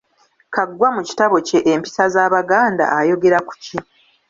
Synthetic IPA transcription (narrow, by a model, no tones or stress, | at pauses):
kaɡːwamuci̥taβo̞ce̞ʔːmpi̥sazaːβaɡaːnda̰ʔajo̞ɡe̞ɾaku̥ci